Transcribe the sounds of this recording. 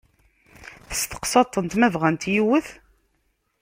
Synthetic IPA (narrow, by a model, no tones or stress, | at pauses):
θə̥st̪ə̥qsɑt̪ˤːənt̪mævʁænt̪jiwəθ